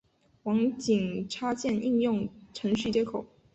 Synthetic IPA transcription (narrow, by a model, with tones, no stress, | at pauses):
wɑ˧˥ŋt͡ɕi˨˩ŋʈ͡ʂʰa˥t͡ɕjɛ˥˧ni˥˧njʊ˥˩ŋʈ͡ʂʰɤ˧˥ŋɕy˥˩t͡ɕjɛ˥kʰo˨˩˦ʊ